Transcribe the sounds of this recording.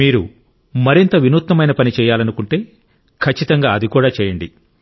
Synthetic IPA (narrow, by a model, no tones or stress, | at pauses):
miːɾu | mɐɾint̪ɐʋinuːt̪ːɐmɐjnɐpɐnit͡ʃɛːjaːlɐnukuɳʈe̞ː | kʰɐt͡ʃːit̪ɐŋɡaːɐd̪ikuːɽaːt͡ʃɛːjɐɳɖi